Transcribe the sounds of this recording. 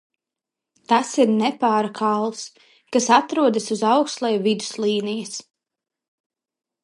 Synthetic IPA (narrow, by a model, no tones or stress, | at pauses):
t̪asiɾnɛpaːɾakʰalˠs | kasat̪ɾuɔd̪asuzawkst̪lˠɛjvid̪u̥slˠiːnijas